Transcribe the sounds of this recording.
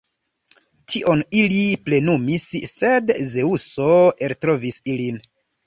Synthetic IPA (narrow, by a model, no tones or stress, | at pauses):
tiʔo̞niliple̞numisːe̞dze̞uso̞eltɾo̞visilin